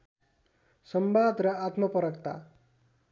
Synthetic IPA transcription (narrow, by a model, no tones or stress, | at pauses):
sʌmbad̪rʌat̪mʌpʌɾʌkt̪a̰